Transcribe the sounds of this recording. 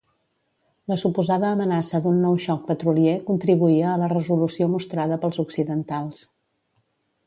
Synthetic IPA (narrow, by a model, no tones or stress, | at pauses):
ləsupuzaðəːmənasəd̪unːɔwʃɔk̚pət̪ɾuliekunt̪ɾiβuiəːlərəzulusiomust̪ɾaðəpəlˠzuksiðənt̪alˠs